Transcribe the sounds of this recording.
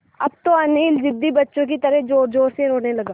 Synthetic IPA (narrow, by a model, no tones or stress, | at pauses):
ɐb̚t̪oɐniːld͡ʒɪd̪ːibɐtːʃõk̬it̪ɐɾəɦd͡ʒoːɾd͡ʒoːɾseɾoːnelɐɡaː